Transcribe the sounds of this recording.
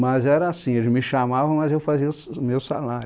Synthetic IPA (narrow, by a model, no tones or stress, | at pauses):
mɐzɛɾɐasĩelɪzmɪʃamavɐ̃w̃mɐzewfaziɐsmewsa̰laɾ